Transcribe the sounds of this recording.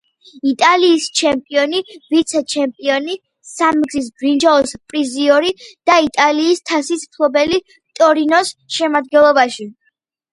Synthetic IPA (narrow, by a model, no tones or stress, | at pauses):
it̪ʼaliːst͡ʃʰɛmpʼiɔnivit̪sʰɛt͡ʃʰɛmpʼiɔni | samɡzis̬bɾind͡ʒaɔspʼɾiziɔɾid̪̥ait̪ʼaliːst̪ʰasismtʰlˠɔbɛli | t̪ʼɔɾinɔsʃɛmad̪̚ɡɛnlˠɔbaʃi